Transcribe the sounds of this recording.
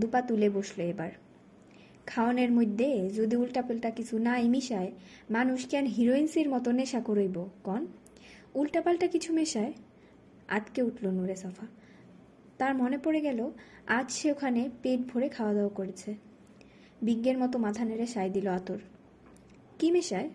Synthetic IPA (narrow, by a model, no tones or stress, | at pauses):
d̪upat̪uleboʃloebaɾ | kʰaoneɾmojd̪ʱːed͡ʑod̪iulʈapalʈakit͡ɕʰunajmiʃae | manuʃkɛnɦiɾoinsiɾmɔt̪oneʃakoɾojbokɔn | ulʈapalʈakit͡ɕʰumeʃae | a̰t̪keuʈʰlonuɾesɔfa | t̪aɾmɔnepoɾeɡɛlo | ad͡ʑʃeokʰanepeʈbʱoɾekʰaoad̪ɛokoɾet͡ɕʰe | biɡːeɾmɔt̪omat̪ʰaneɾeʃajd̪iloat̪oɾ | kimeʃae